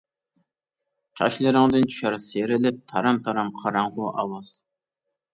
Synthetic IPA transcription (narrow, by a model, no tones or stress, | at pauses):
t͡ʃʲʰɑ̰ʃlˠɨɾɪŋd̪ɨnt͡ʃʰy̥ʃɑɾseɾɪlɪp̚t̪ʰɑɾɑmt̪ʰɑɾɑmqʰɑɾɑɴʁʊʔɑwɑz̥